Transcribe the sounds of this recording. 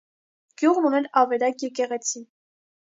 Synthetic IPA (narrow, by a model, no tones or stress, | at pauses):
ɡ̥juʁnunɛlɑvɛɾɑkjɛkɛʁɛt͡sʰi